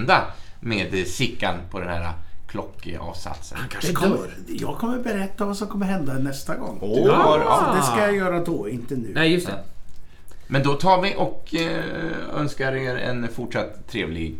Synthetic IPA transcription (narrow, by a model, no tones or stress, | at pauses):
d̪ameːd̪sɪkːa̰npʰɔd̪ɛnhæ̰ːɾa̰kʰlɔkːɑ̰ːvsa̰t̪sə̰nkʰad̪kʰɔm | jɑ̰ːɡ̚kʰɔmːəɾbɛɾɛt̪ːavasɔmkʰɔmːəɾɦɛnd̪anɛst̪aɡɔ̰ŋːaɾɔd̪ɛskajajœːɾad̪ɔɪnt̪ənʉ̟ːnɛjɵst̪ɛ | mɛnd̪ɔt̪ʰɑːɾvɪʔɔk | œ̰nskaɾeɾɛ̰nfʊʈʂat̪ʰːɾeːvlɪɡ